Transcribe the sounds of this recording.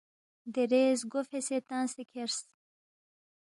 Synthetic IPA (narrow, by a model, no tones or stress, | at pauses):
d̪eɾeːzɡofeset̪ansekʰeɾs